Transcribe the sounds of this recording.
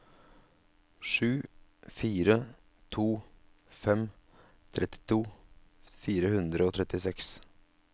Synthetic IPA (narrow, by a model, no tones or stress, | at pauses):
ʂʉːfiːɾə | t̪ʰuː | fɛm | t̪ʰɾʔɛt̪ɪ̥t̪ʰuː | fiːɾəhʉnd̪ɾəoːt̪ʰɾɛt̪ɪsɛks